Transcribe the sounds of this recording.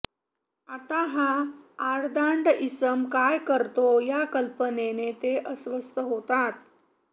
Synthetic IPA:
at̪aɦãaɾd̪aɳɖisəmkajkəɾt̪ojakəlpənenet̪eʔəsʋəst̪əɦot̪at̪̚

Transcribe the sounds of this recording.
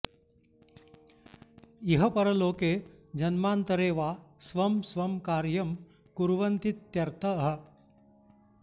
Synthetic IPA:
jiɦɐpɐɾɐloːkeːd͡ʒɐnmaːnt̪ɐɾeːʋaːsʋɐmsʋɐmkaːɾjɐm | kuɾʋɐnt̪it̪jɐɾt̪ʰɐɦɐ̆

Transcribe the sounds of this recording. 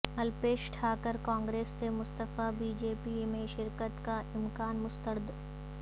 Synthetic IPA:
ɐlpeːʃʈʰaːkəɾkãːŋɡɾeːsːemʊst̪əfabiːd͡ʒeːpimẽʃɪɾkət̪kaʔɪmkaːnmʊst̪əɾd̪

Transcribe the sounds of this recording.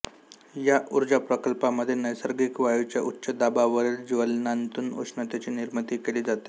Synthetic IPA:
jaʔuɾd͡zapɾəkəlpaməd̪ʱːjenəjsəɾɡiːkʋajut͡ɕjaʔutːɕəd̪abaʋəɾeld͡ʑiʋəlnant̪uːno̰snət̪at͡ɕiːniɾmət̪iːkeliːd͡zat̪e̥

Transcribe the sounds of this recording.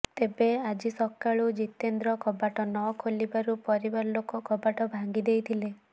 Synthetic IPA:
t̪ebead͡ʒisɔkːaɭud͡ʒit̪end̪ɾɔkɔbaʈɔnɔkʰolibaɾupɔɾibaɾɔlokɔkɔbaʈɔbʱaŋɡid̪ejt̪ʰile

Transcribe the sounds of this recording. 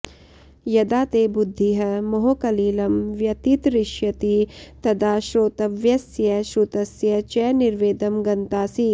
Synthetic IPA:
jɐd̪aːt̪eːbud̪ʱːiɦɐ̆mɐɦokɐliːlɐmʋjɐt̪it̪ɾɪʃjɐt̪it̪ɐd̪aːʃɾoːt̪ɐʋjɐsjɐʃɾut̪ɐsjɐt͡ʃɐniɾʋeːd̪ɐmɡɐnt̪aːsi

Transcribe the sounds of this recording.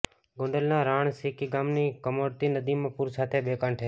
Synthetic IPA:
ɡõːɳɖəlnãːɾaːɳsiːkiːɡaːmniːkəmoːɾt̪iːnəd̪iːmə̃puːɾsaːt̪ʰeːɓeːkãːɳʈʰeː

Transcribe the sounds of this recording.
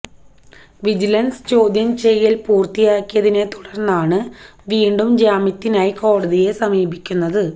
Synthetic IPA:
ʋid͡ʑilɐnsɨ̥t͡ɕo̞ːd̪jɐmt͡ɕejːilpuːrt̪ijaːkːijɐðine̞t̪u̥ɽɐrnːaːɳɨ | ʋiːɳɖumd͡ʑaːmit̪ːinaːjiko̞ːɽɐðije̞sɐmiːbikʲːunːɐðɨ

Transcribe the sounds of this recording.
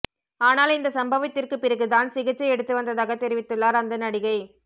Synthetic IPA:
aːnaːlɪnd̪ɐsɐmbɐʋɪt̪ːɪrkɯpːɪɾɐɣɯðaːnsɪɣɐt͡ʃːɐɪɛɽɯt̪ːɯʋɐnd̪ɐðaːɣɐt̪ɛɾɪʋɪt̪ːɯɭːaːɾɐnd̪ɐnɐɽɪɣɐɪ

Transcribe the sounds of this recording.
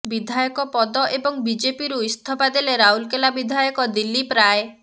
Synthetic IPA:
bid̪ʱajɔkɔpɔd̪ɔʔebɔŋbid͡ʒepiɾuist̪ʰɔpad̪eleɾaɦulkelabid̪ʱajɔkɔd̪ilːipɾae

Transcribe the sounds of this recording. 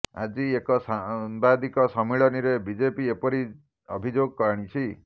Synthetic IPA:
a̰d͡ʒiekɔsanbad̪ikɔsɔmiɭɔniɾebid͡ʒepiepɔɾi | ɔ̰bʱid͡ʒoɡɔkɔɾɽ̃it͡ʃʰi

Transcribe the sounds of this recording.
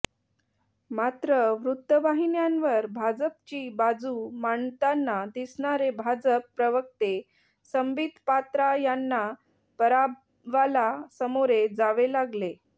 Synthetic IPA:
mat̪ɾəʋɾut̪ːəʋaɦinjanʋəɾbʱad͡zəp̚t͡ɕiːbad͡zumaɳt̪anːad̪isɳaɾebʱad͡zəpːɾəʋək̚t̪e | səmbid̪pat̪ɾajanːa | pəɾab | ʋalasəmoɾed͡zaʋelaɡle

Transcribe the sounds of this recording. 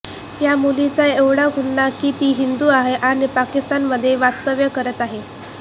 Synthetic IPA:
jamulit͡saeʋɽ̤aɡʱuɳːakiːt̪iːɦind̪uaɦeʔaɽ̃ipakist̪anməd̪ʱːjeʋast̪əʋjəkəɾət̪aɦe

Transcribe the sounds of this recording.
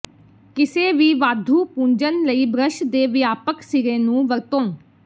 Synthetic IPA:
kɪseːʋiːʋaːd̪ʱuːpũːɲd͡ʒənləiːbɾəʃd̪eːʋɪjaːpəksɪɾẽːnũːʋəɾt̪õː

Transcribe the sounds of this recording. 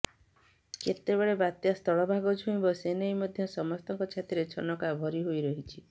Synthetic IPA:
ket̪ebeɭebat̪jast̪ʰɔɭɔbʱaɡɔd͡ʒʱuĩbɔsenejmɔd̪ʱjɔsɔmɔst̪ɔŋkɔt͡ʃʰat̪iɾet͡ʃʰɔnɔkabʱɔɾiɦojɾɔɦit͡ʃʰi

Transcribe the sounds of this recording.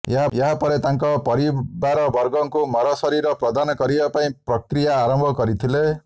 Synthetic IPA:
jeɦajeɦapɔɾet̪aŋkɔpɔɾibaɾɔbɔɾɡɔŋkumɔɾɔsɔɾiɾɔpɾɔd̪anɔkɔɾibapaĩpɾɔkɾijaːɾɔmbʱɔkɔɾit̪ʰile

